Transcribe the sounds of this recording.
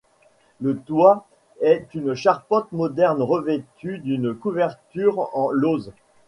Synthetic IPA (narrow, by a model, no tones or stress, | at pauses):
lət̪wa | ɛt̪ynʃaʁpɑ̃t̪mɔd̪ɛʁnʁəvet̪yd̪ynkuvɛʁt̪yʁɑ̃loz